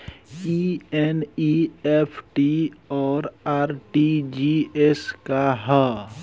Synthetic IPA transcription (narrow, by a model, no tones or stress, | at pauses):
ieniepʰʈiɔːɾaːɾʈid͡ʒieskaɦə